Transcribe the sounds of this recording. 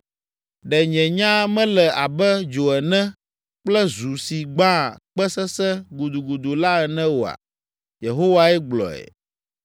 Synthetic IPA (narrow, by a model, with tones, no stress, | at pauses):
ɖɛ˨ɲɛ̃˨ɲã˦mɛ̃˦lɛ˨a˨bɛ˦d͡ʒo˨ɛ˨nɛ̃˦ | k͡plɛ˦zu˨si˨ɡ͡bã˦˨k͡pɛ˦sɛ˦sɛ˦ɡu˨d̪u˨ɡu˨d̪u˨la˦ɛ˨nɛ̃˦wo˨a̰˨ | je˨ɦo˦wa˦ɛ˦ɡ͡blɔ̰˨ɛ̰˨